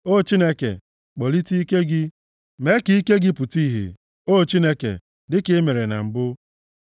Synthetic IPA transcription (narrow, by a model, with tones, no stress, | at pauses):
o˦˨t͡ʃi˦ne˦kḛ˨ | k͡pɔ˨li˦ti˦i˦ke˦ɡɪ˦ | me˦ki˨˦i˦ke˦ɡɪ˦pʊ˨ti˦˨ɦḛ˨ | o˦˨t͡ʃi˦ne˦kḛ˨ | dɪ˦kɪ˦me˨ɾe˨na̰˨ŋ͡m̩˨bʊ˦